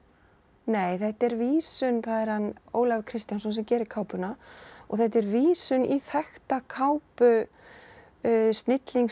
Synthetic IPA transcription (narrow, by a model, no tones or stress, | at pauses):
neːjθɛht̪ɛɾviːsʏnθaðɛɾ̥hano̰ːwlavkʰɾɪst̪jansɔnsɛmcɛːɾɪɾkʰaːwpʏnaɔ̰ɣθɛht̪ɛɾviːsʏniθɛxt̪akʰawpʏ | st̪nɪt̪liŋ